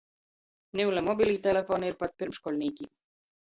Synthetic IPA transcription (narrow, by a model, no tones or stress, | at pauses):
nelɛmobilʲit̪elefonirpat̪̚pirmʃkolʲniki